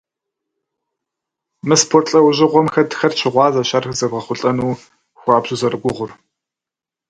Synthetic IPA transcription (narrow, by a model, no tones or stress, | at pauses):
mɨspʰoːrɬʼɐwʑɪʁʷɔmxɐdxɐrt͡ʃʰɪʁʷɑːzɐɕɐrxzɐɡʁɐχʷʊɬʼɐnuː | xʷɑːbʑ̥uzɐrɨɡʷʊʁʷʊr